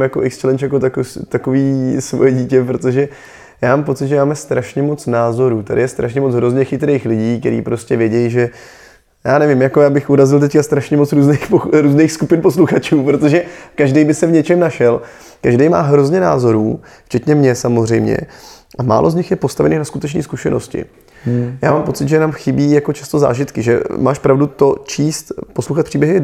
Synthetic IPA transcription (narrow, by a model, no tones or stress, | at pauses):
mjakoʔɛkst͡ʃɛlɛnt͡ʃjak̬ot̪akot̪akoviːsvojɛɟiːcɛpɾot̪o̞ʒɛ | jaːmaːmpo̞t͡sɪt̪ʒɛmaːmɛst̪ɾaʃɲɛmo̞t͡snaːzo̞ɾuːt̪adɪ̰jɛst̪ɾa̰ʃɲɛmot͡sɦɾo̞zɲɛxɪt̪ɾejxlɪɟiːk̚t̪ɛɾḭːpɾo̞scɛvjɛɟɛjʒɛ | jaːnɛvɪmjako̞jaːbɪxʔuɾazɪlt̪ɛckast̪ɾaʃɲɛmot͡sɾuːznejxpoɾuːzneːxskupɪnposluxat͡ʃuːpɾo̞t̪o̞ʒɛkaʒdejbɪsɛvɲɛt͡ʃɛmnaʃɛl | kaʒdejma̰ːɦɾo̞zɲɛna̰ːzo̞ɾuː | ft͡ʃɛt̪ɲɛmɲɛsamozr̝ɛjmɲɛ̰ʔama̰ːlʔo̞zɲɪxjɛpo̞st̪avɛ̰niːxnaskut̪ɛt͡ʃniːskuʃɛno̰scɪ̰ | ja̰ːmaːmpo̞t͡sɪt̪ʒɛnaːmxɪbiːjako̞t͡ʃast̪oza̰ːʒɪt̪kɪʒɛ̰ma̰ːʃpɾavdut̪o̞t͡ʃiːst̪poslowxat̪pr̥iːbjɛɦɪ